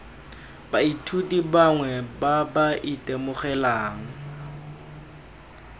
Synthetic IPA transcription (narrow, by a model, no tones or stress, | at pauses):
baitʰutʼibaŋwɛbabaʔitʼemʊχɛlaːŋ̩